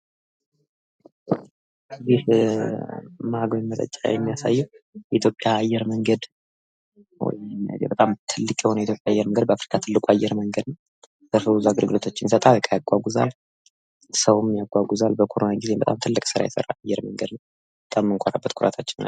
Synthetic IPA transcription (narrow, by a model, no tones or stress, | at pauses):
zih | maɡmət̪ʼə̰t͡ʃʼːa̰jɛmːijasa̰jːɛwjɛʔit̪ʰjo̞pʼjaːjːɛɾməŋɡəd̪ | wɔ̰jmjbət̪ʼamt̪ʰɨlːɨkʼjɛho̞nəwit̪ʰjo̞pʼjaajːɛɾməŋɡəd̪bəafɾi̥kʰat̪ʰɨlːɨkʼuajːɛɾməŋɡəd̪nəw | z̥əfəuzuaɡɨlɡɨlo̞t̪ʰat͡ʃːɪnjsət̪ʼalkʰʼajaɡʷaɡʷuza̰l | səwumjaɡʷaɡʷuzalbəkʰoɾonaɡizebət̪ʼamt̪ʰɨlːɨkʼsɨɾa̰jɛsə̰ɾa̰ajːɛɾməŋɡəd̪nəw | bət̪ʼamːɨŋkʷʼoɾa̰bːət̪kʰuɾa̰t̪ʰat͡ʃːɪnna̰